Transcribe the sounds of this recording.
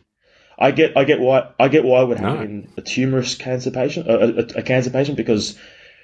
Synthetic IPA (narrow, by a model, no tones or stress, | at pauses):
ʔa̰ɪɡɛɾaɪɡɛʔwaɪaɪɡɛʔwaɪwəd̚hæɪ̃ŋɨtʰjʉmə˞ɨskʰæ̃nsəpʰeɪʃɨ̃nʌɨɨɨkʰæ̃nsə˞pʰeɪʃnb̥ɨkʌz̥